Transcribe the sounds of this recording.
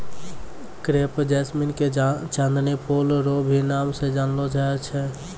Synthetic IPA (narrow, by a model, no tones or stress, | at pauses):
kɾepd͡ʒɛsminket͡ʃãnd̪nepolɾobʱinaːmsẽd͡ʒanlod͡ʒat͡ʃʰɛ